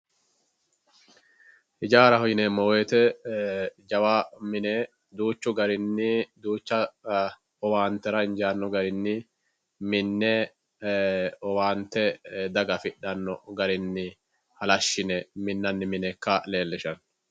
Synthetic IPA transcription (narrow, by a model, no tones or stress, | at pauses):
hɪd͡ʒaːɾɐhɔjɪnɛmɔweːt̪ɛ | d͡ʒɐwaːmɪnɛ | d̪uːt͡ʃːʊɡɐɾɪnːɪd̪uːt͡ʃːɐ | ɔwaːnt̪ːɛɾɐɪnd͡ʒaːnːɔɡɐɾɪnːɪ | mɪnːɛ | ɔwaːnt̪ːɛd̪ɐɡɐfɪɗːɐnːɔ̰ɡɐɾɪnːɪ | hɐlɐʃːɪnɛmɪnːɐnːɪmɪnɛkːɐle̞ːlːɛʃɐn